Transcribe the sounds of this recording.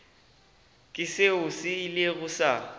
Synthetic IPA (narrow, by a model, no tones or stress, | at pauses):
kʼɪseʊsɪileɣʊsa̰